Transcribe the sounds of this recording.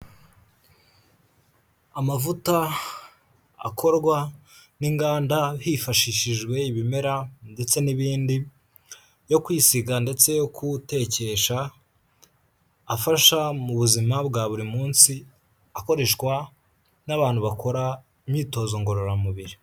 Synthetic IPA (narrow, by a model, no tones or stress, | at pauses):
amavuta | a̰kʰo̞ɾɡwaniŋɡaːndahifaʃiʃiʒɡwe̞iβime̞ɾande̞t͡se̞niβiːndi | jo̞kwiːsiɡande̞t͡se̞jo̞kute̞ce̞ʃa | faʃamuβuzimabɡaːβuɾimuːnsi | ako̞ɾe̞ʃkwa | naβaːn̥huβako̞ɾa | imɲiːto̞ːzo̞ŋɡo̞ɾo̞ɾamuβiɾi